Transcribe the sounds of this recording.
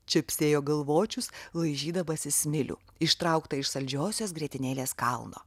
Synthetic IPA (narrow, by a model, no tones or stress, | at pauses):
t͡ʃʲɛpʲsʲeːjoːɡɐlˠʋoːt͡ʃʲʊslˠɐɪʒʲiːd̪ɐʋɐsʲɪsʲmʲɪlʲṵːɪʃt̪ɾɐʊkt̪ɐɪʃsɐlʲd͡ʒʲoːsʲoːsɡɾʲiɛt̪ʲɪnʲeːlʲeːskɐlˠno̰ː